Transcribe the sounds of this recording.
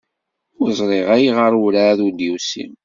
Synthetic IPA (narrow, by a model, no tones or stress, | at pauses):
ʊzˤɾˤeʁæjiʁəɾˤwɾaðud̪iwsḭm